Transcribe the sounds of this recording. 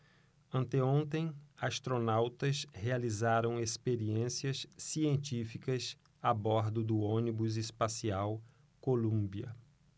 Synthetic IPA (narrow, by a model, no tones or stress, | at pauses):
ɐ̃nt̪eõnt̪ẽj̃ast̪ɾonawt̪ɐshealizaɾɐ̃w̃espeɾiẽsiɐsːiẽnt͡ʃ̪ifikɐs | abɔɾd̪ʊd̪ʊõnibʊzespasiaw | kolũbiɐ̰